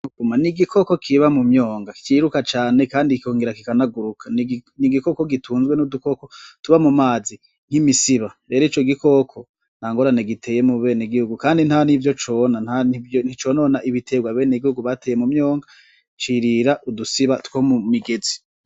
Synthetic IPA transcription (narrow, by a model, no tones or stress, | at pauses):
uɡumaniɡikʰo̞ko̞kʰiβamumɲo̞ːŋɡakiɾukat͡ʃaːne̞kaːndikʰoːŋɡeɾakikanaɡuɾukʰaniniɡiko̞ko̞ɡitʰuːnzwenuduko̞kotuβamumaːzi | n̥himisiβaɾe̞ːɾit͡ʃo̞ɡiko̞kʰo | n̥haːŋɡo̞ɾaneɡitʰe̞ːje̞muβe̞ːneɡihuɡukaːndinhanivjo̞t͡ʃonanhanivjon̥it͡ʃo̞ːno̞ːnaʔiβitʰe̞ɡwaβe̞ːne̞ɡihuɡuβateːjemumjoːŋɡa | t͡ʃiɾiɾaʔudusiβatkomumiɡe̞zi̥